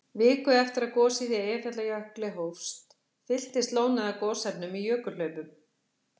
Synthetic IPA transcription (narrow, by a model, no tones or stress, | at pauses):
vɪːkʏɛft̪ɪɾaðkɔːsiðɪɛ̥fɛt̪lajœhklɪɦowfst̪ | fɪl̥t̪ɪst̪loːwnaðakɔːsɛpnʏmijœːkʏ̥lœɥpʏm